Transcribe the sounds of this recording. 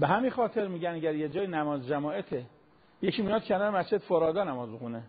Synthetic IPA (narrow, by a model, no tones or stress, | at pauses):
beɦæminxɒːt̪ʰeɾmiːɟænæɟæɾjed͡ʒɒːjinæmɒːzd͡ʒæmɒːʔet̪ʰe | jecʰiːmijɒːd̪̥̚cʰenɒːɾemæst͡ʃʰed̪foɾɒːd̪ɒːnæmɒːzmixune